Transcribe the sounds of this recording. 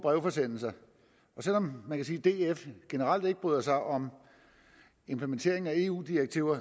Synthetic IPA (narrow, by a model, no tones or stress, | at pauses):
b̥ʁɛʊfɒ̽sen̰l̩sɐ | ɒ̽sel̰ɒ̽mmːænkʰæsiːd̥e̝efɡ̥e̝nəʁɑ̈l̰d̥e̝ɡ̥əb̥yːð̰ˠɐsɑ̈ɪʔɒ̽m | e̝mpʰlement͡sʰe̝ɐ̰eŋ̩æe̝ːṵːd̥iʁeɡ̥̚t͡sʰiʊɐ